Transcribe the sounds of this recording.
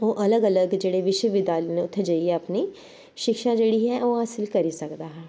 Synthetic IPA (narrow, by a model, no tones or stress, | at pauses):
oːʔɐləɡɐləɡd͡ʒeːɽeʋɪʃwəʋɪd̪jaːlenẽʊt̪ʰːd͡ʒəieɐpni | ʃɪkʃad͡ʒeːɽiɦɛoːɦaːsɪlkɐɾisɐkd̪aːɦɛː